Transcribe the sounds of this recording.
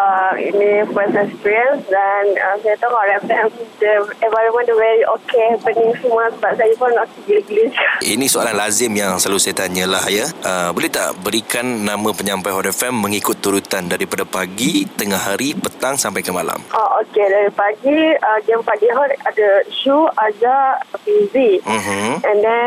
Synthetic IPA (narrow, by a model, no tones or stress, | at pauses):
əḭnifəsɛkspiɹiənsdanəsajət̪ɔkhɔɾɛfɛmidəɛ̃nvajɾəmə̃ntəvɛɹiʔokepənĩŋsəməsəbap̚sajəpɔnokidiiɡlɪsinĩsoalanlazɪmjaŋsəlalusajat̪aɲə̃lahajəəbəlɛht̪a̰ʔbəɾikanːãmãpəɲãmpajɦɔɾɛfɛmːəŋikʊt̪ːuɾut̪andaɾipadapaɡit̪əŋahːaɾipət̪aŋsampajkəmala̰maʔokedaɾipaɡiəd͡ʒɛmpaɡiɦɔɾadəʃuad͡ʒafizim̩ɛ̃ndɛn